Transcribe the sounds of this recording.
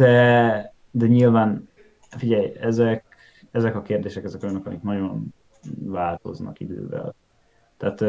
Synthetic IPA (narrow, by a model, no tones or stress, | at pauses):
d̪ɛ | d̪ɛɲilvaːn | fiɟɛjɛzɛk | ɛzɛkɒkeːrd̪eːʃɛkɛzɛkojnøkɒmiknɒjon | vaːlt̪o̞̰znɒ̰kid̪ø̰ːvɛ̰l | t̪aːt̪